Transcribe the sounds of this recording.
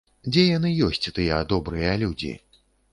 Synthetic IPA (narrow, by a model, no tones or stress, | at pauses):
d͡zʲɛjanɨjɔsʲt͡sʲt̪ɨjɛad̪ɔbɾɨjɐlʲud͡zʲḭ